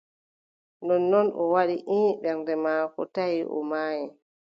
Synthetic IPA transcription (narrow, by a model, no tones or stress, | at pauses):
ndɔnːɔnɔ̰waɗiʔinɓɛndɛmaːkɔ̰tajiʔɔ̰maːjɛ